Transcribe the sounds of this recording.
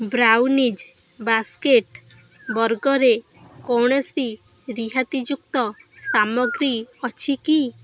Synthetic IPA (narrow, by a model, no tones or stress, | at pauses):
bɾawnid͡ʒ | baskeʈ | bɔɾɡɔɾe | kɔwɳ̃ɔsi | ɾiɦat̪id͡ʒuk̚t̪ɔsamɔɡɾiɔt͡ʃʰiki